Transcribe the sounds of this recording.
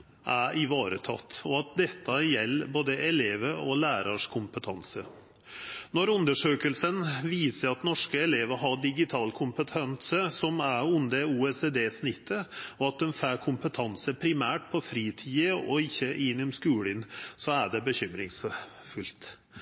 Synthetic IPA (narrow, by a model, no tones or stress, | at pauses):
ʔæɪʋɑːɾət̪ʰɑ̰t̪ːɔɑt̪̚d̪ɛt̪ʰːɑjɛlːboːd̪əʔɛleːʋəɾɔlæːɾɑʂkʰʊmpət̪ʰɑnsə | nɔɾʉnd̪əʂøːkəlsənʋiːsəɾɑt̪nɔʂkəɛleːʋəɦɑɖɪɡɪt̪ʰɑːlkʰʊmpət̪ʰɛnsəsɔmæʉnd̪əuːɛsed̪eːsnɪt̪ʰːəɔɑt̪̚d̪ɛnfæːkʰʊmpət̪ʰɑnsəpʰɾɪmæːʈ̚pʰɔfɾiːt̪ʰiːəɔɪçːəʔɪnːɔmskʉːlɪnsɔæɖɛbəɕʏmɾɪ̰ŋs | fʉlt̪